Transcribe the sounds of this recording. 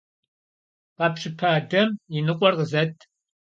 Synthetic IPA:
qɑpʂɨpʰaːdɐminɨqʷʼɔrqəzɐtʰ

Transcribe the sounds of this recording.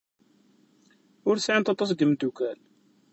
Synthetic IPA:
ʊɾsʕəmt̪ɑt̪ˤːɑs̬ɡəmd̪ːukæl

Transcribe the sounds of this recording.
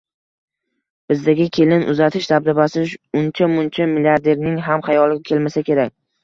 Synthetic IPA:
b̥ɪzd̪aɡʲɪkʲʰe̞lɪnʔʊ̰zat̪ʰɪʃd̪ab̚d̪abasɪʃʊnt͡ʃʰamʊnt͡ʃʰamɪlijaɾd̪e̞ɾnɪŋɦamχajɒlˠɪɡʲakʲʰe̞lmasakʲe̞ɾak̚ʲ

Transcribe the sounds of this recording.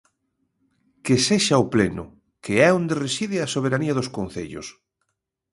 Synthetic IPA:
keseʃaoplenʊ | keɛond̪eresiðɪasoβ̞eɾaniaðoskon̟θḛʎʊ̰s

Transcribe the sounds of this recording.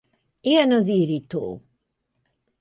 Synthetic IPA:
iɡɛnɒziːɾit̪o̰ː

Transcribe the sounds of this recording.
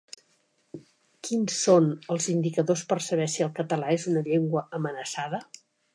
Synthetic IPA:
kinsonəlˠzind̪ikəðospərsəβɛsiəlˠkət̪əlaezunəʎeŋɡwəəmənəsaðə

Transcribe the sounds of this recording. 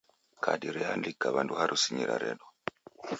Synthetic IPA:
kʰadiɾɛandikːaβanduhaɾʔusiɲiɾa̰ɾɛɗɔ

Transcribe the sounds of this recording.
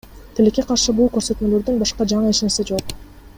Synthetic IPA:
t̪ʰelekːe̞qʰɑɾʃɯbulˠkø̞ɾsø̞t̪mø̞lø̞ɾd̪ynbɑʃqɑd͡ʒɑɴɯeʃnesed͡ʒo̞q̚

